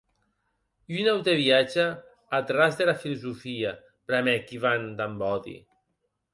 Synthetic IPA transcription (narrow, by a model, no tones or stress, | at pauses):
ynawt̪eβiad͡ʒaː | t̪ɾazðelafiluzufia | bɾamɛkiβand̪ambɔðḭ